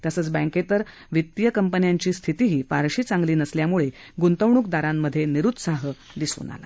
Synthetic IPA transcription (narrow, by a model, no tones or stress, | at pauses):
t̪jəsəːt͡sbə̃ket̪əɾ | ʋit̪jəkəmpənjaɲt͡ɕiːst̪ʰit̪iːɦiːfaɾɕiːt͡sãŋɡliːnəsljamuɭe | ɡunt̪əʋɳuːk̚d̪aɾamːəd̪ʱːjeniɾud̪saɦə | d̪isṵːna̰la̰